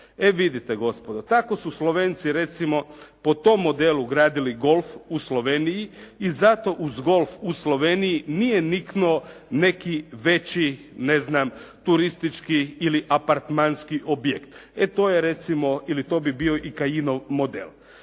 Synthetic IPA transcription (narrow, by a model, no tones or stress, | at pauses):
eʋid̪it̪eɡo̞spod̪ot̪ako̞suslˠo̞ʋeːnt̪siɾe̞t̪simo̞pot̪o̞mːo̞d̪eːlˠuɡɾaːd̪iliɡo̞lfuslˠoʋenijiːzat̪o̞ʔuzɡo̞lˠfuslˠo̞ʋenijinijeniknuone̞kiʋe̞t͡ɕi | neznamt̪uɾist̪it͡ʃkiiliʔapaɾt̪manskiʔobjekt̪et̪oːjeɾe̞t̪simo̞ilit̪o̞ːbibio̞ʔikajinomod̪ḛl